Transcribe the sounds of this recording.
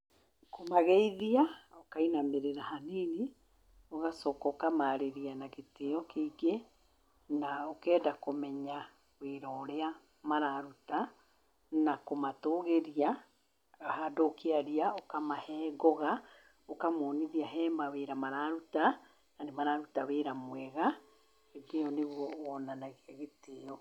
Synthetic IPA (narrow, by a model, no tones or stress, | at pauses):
komaɣeiðiaokainameɾeɾahanene | oɣasɔkɔokamaɾeɾianaɣeteɔkeiɡe | naokɛːdakomɛɲa | weɾɔːɾea | maɾaɾuta | nakomatoːɣeɾia | hadokeaɾiaokamahɛːɡɔɣa | okamɔːniðiaɦɛːmaweɾamaɾaɾuta | nanemaɾaɾutaweɾamwɛɣa | ɣedeɔneɣwɔɔnanaɣeaɣeteɔ